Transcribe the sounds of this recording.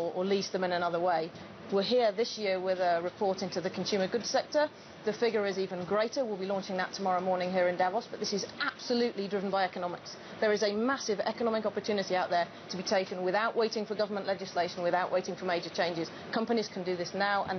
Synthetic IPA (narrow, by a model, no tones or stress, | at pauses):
əəlizðə̃mɪ̃nənʌðəweɪ | wɪɦɪəðɪsjɪəwɪðəɹɪpʰɔɹtɪ̃ntʉðəkʰə̃n̩sʉːmə˞ɡʊd̥sɛk̚tə | ðəfɪɡəɹɪziːvə̃nɡɹeɪtəwɪlˠbilɔ̃ˑnt͡ʃɪ̃ŋðətʰəmɔɹəʊmɔɹnɪ̃ŋɦɪəɹɪ̃ndavɔsb̥ʌtʔ̪̚ðɪsɪzab̥səlʉˑʔlidɹɪvə̃nbaɪɛkənɒmɪks | ðəɹɪzəmasɪvɛ̰kənɒmɪkɒpətʰʉːnɪtiaʊʔ̪ðə | tʰəbitʰeɪkə̃nwɪðaʊʔweɪtɪ̃ŋfə˞ɡʌvə˞mə̃nʔlɛd͡ʒɪsleɪʃə̃n̩wɪðaʊʔwʔeɪtɪ̃ŋfəmeɪd͡ʒət͡ʃʰẽɪ̃nd͡ʒɪz̥ | kʰʌ̃mpəniz̥kʰə̃n̩dɨðɪsnaʊʔə̰̃n